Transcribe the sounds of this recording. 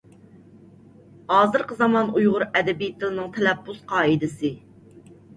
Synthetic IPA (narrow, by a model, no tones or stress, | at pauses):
hɑːzɨɾqəzɑmɑnujʁʊɾɛd̪ɛbijt̪ʰːɪlɪnɪŋt̪ʰɛlɛpːusqʰɑːid̪ɪsɪ